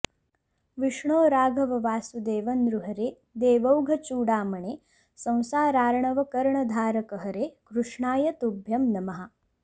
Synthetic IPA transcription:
ʋiʂɳoːɾaːɡʱɐʋɐʋaːsud̪eːʋɐnd̪ɾuɦɐɾeː | d̪eːʋɐwɡʱɐt͡ʃuːɽaːmɐɳeː | sɐ̃w̃saːɾaːɾɐɳɐʋɐkɐɾɐɳɐd̪ʱaːɾɐkɐɦɐɾeːkɾuʂɳaːjɐt̪ubʱjɐmnɐmɐɦɐ

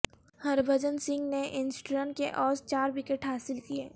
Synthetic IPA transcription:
hɐɾbʱəd͡ʒənsɪ̃ŋɡneʔɪnsʈuɾə̃ɳʈkeʔɔːst͡ʃaːɾwɪkeʈɦaːsɪlkieː

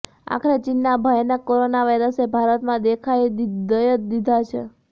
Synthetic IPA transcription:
a̰kʰɾet͡ʃinːabʱajnakoɾonaʋajɾəsebʱaɾət̪mãd̪ekʰaj̪d̪əjət̪d̪id̪ʱat͡ʃʰe

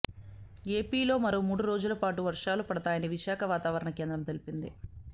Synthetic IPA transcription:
e̞ːpiːlo̞ːmɐɾoːmuːɽuɾo̞ːd͡ʒulɐpaːʈuʋɐɾʂaːlupɐɽɐt̪aːjɐniʋiʃaːkʰɐʋaːt̪aːʋɐɾɐɳɐke̞ːnd̪ɾɐmt̪elipind̪ḭ

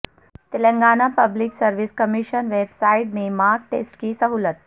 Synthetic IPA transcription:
t̪elə̃ŋɡaːnapəbliksəɾʋiskəmiʃənʋebsaiʈmemaɾk̚ʈḛsʈkiːsəɦulət̪̚

